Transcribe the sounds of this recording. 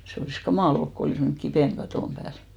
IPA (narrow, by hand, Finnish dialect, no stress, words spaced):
se oliˑs kɑmɑˑl olk ko oliˑs menːy̆k kipeˑn kɑtoˑm pæːl